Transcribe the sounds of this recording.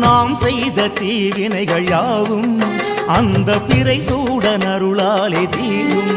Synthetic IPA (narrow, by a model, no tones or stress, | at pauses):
naːmsɛjðɐt̪iːʋɪnɐɪɣɐɭjaːɣɯm | ɐnd̪ɐpɪɾɐɪsuːɽɐnɐɾɯɭaːleːt̪iːʋɯm